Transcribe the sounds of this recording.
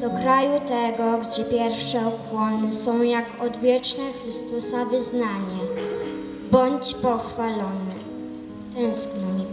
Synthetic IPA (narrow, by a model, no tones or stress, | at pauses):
d̪̥ɔkɾajut̪ɛɡɔɡd͡ʑɛpʲjɛɾfʂɛɔkwɔnɘsɔ̃w̃jakɔd̪vʲjɛt͡ʂnɛxɾɘst̪usavɘznaɲɛ | bɔɲd͡ʑpɔxfalɔnɛ | t̪ɛ̃w̃sknɔɲ